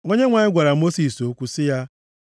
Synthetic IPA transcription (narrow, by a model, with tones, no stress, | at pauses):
ŋo˦ɲe˦ŋʷa˨ɲɪ˦ɡʷa˨ɾa˨mo˦si˨so˨˦kʷu˦sɪ˦ja˦